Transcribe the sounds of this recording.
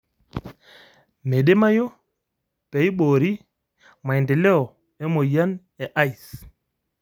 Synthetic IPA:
me˨ɗe˦ma˦jo˦ | pɛ˨jɓoː˨ɾi˦ | ma˨jnde˨lɛ˦ɔ˨ | ɛ˦mo˨ja˦n | ɛ˨ʔa˦i˨s

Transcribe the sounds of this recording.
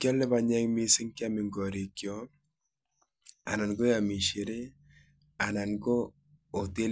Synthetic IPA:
kjɔ˦lɪ˦βa˨ɲɛ˦ŋmi˦sɪ˦ŋkja˦mɪ˨ŋɡɔ˨ɾi˨kjɔ˦ | a̰˨na˨nɡo˦ja˨mi˨ʃi˨ɾe˦ | a˨na˨nɡoː˦˨ | te˦l

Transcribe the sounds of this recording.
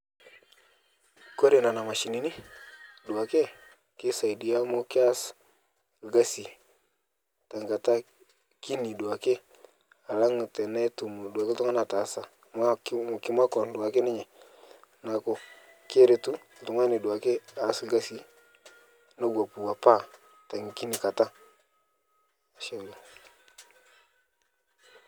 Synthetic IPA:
ko˦ɾe˨na˨na˨ma˨ʃi˨ni˨˦ni˦du˨a˨ke˦ | kɪ˦sa˨i˨di˨˦a˦mo˦kɪ˦a˦s | lɡa˦si˨ | ta˨ŋɡa˨ta˦ | ki˦ni˨du˨wa˨ke˦ | a˨la˦ŋ˨tɛ˨ne˦tu˨mu˨da˨ke˦tu˦ŋa˦na˨ta˨sa˨ | ma˦km˨ki˦ma˦kɔ˨n˦du˨wa˨ke˦ni˦ɲɛ˨ | na˨ko˦ | kɾe˨tu˦˨tu˨ŋa˦ni˨du˨wa˨ke˦a˨˦slɡa˦si˨ | na˦ɡʷa˨pu˨wa˨pa˦ | ta˨ŋ˨ki˦ni˨ka˨ta˦ | a˨ʃe˦˨lo˨

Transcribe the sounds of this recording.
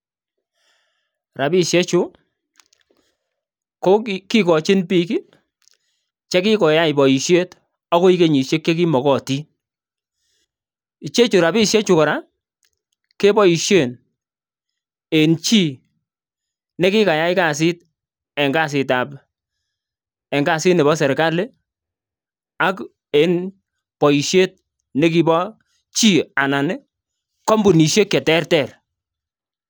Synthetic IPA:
ɾa˨bi˦ʃje˦t͡ʃʊ˦ | ko˦ki˦kɔ˨t͡ʃɪ˦npi˦ki˦ | t͡ʃɛ˦ki˦kɔ˨ja˦i˨bɔ˨i˨ʃje˦t | ɔ˦ko˦i˦ke˦ɲi˨ʃje˦kːe˦k̬i˦mɔ˨kɔ˦˨ti˦ | i˨t͡ʃe˦t͡ʃu˨ɾa˨bi˦ʃje˦t͡ʃu˨kɔ˨ɾa˦ | ke˦bɔ˦i˨ʃje˦˨n | e˨nt͡ʃi˦ | ne˦kɪ˦ka˨ja˦ɪ˦ka˨s̬ɪ˦t̚ | ɛ˨ŋɡa˦˨s̬ɪ˨ta˨p | ɛ˨ŋɡa˨sɪ˦tnɛ˨bɔ˦s̬ɛ˨ɾka˦le˦ | a˦k | e˨n | pɔ˨i˨ʃje˦t̚ | ne˦ki˦bɔ˦ | t͡ʃi˦a˨na˨nɪ˦ | kɔ˦mbu˨ni˨ʃe˦kɛ˨tɛ˦rtɛ˦˨ɾ

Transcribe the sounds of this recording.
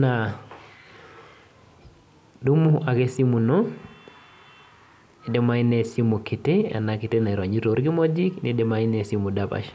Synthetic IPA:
na˨ | du˦mu˦a˨ke˦si˦mu˨nɔ˦ | e˨de˦ma˦i˦ne˨si˦mu˨ki˨te˦a̰˨na˨kɪ˨te˦na˨i˨ɾa˨ɲi˦ɾo˨˦ɾɡi˦mɔ˦d͡ʒi˦knide˨ma˦ɪ˦ne˨simu˨dapa̰˨ʃ

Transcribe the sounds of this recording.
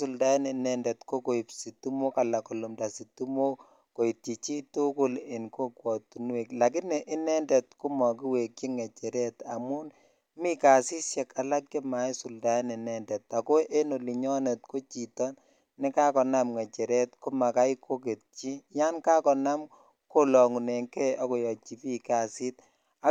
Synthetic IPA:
su˨lda˨˦ne˨nɛ˨ndɛ˨tko˦ko˨i˨psi˨tu˦mo˦ka˨la˨ko˨lo˨mda˨si˨tu˦mo˦ | ko˨i˨tt͡ʃi˨t͡ʃi˦tu˦kʊ˦lɪ˨nko˦kwɔ˨tu˨nwe˨kla˨k̬i˦nɛ˨ʔɪ˦nɛ˦ndɛ˨tku˦mɔ˨ki˦we˨kji˦ŋɛ˨t͡ʃɛ˨ɾɛ˦ta˨mʊ˦n | mi˦ka˨si˦ʃɛ˨ka˨la˦k̚ki˦ma˨˦jsu˨lda˨˦nɛ˨nɛ˦ndɛ˨t̪ːa˨ko˦ʔe˦no˨li˨ɲɔ˦nɛ˨t̚ko˦t͡ʃi˨tɔ˦n | nɪ˦ka˦kɔ˨na˦mŋɛ˨t͡ʃɛ˨ɾɛ˦tku˦ma˨ka˦iko˦k̬e˨t̚t͡ʃi˦ja˦nka˦kɔ˨na˦m | ko˦lɔ˨ŋu˨ne˨ŋkɛ˦ɔ˦kɔ˨jɔ˨t͡ʃi˨pi˦ka˨si˦t̚ | a˨˦

